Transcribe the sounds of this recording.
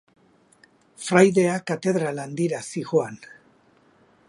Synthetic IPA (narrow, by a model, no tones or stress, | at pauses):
fɾajðe̞akat̪e̞ðɾaland̪iɾasiɣoan